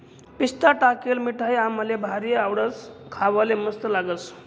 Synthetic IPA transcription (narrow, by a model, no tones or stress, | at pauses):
pist̪aʈakelmiʈʰaɦjaməlebʱaɾiawɽət͡skʰaʋaleməst̪əlaɡət͡s